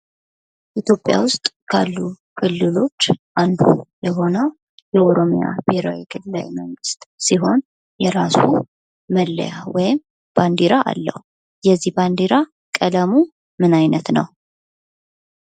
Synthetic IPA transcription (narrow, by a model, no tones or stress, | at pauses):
ʔit̪ʰjo̞pʼːja̰wʊst̪ʼkʰalːu | kʰɨlːɨlo̞t͡ʃːʔand̪ṵjɛɦo̞nəw | jɛʔoɾo̞mija̰beɾawikʰɨlːɨla̰jməŋɡɨst̪ʼsiɦo̞n | jɛɾasṵ | məlːə̰jawɔjɪm | b̥and̪iɾaʔa̰lːə̰hu | jɛzːiband̪iɾa | kʼələmu | mɨnajnət̪nə̰w